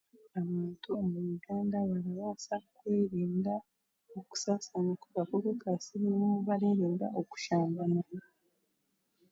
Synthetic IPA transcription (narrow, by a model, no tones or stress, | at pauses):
aβaːntʰuomuɾuɡaːndaβaɾaβasakweːɾiːnɡa | oku̥saːsaɲakoβakoβokasiɾewomuβaɾeːɾiːnɡa̰oku̥ʃaːmbanana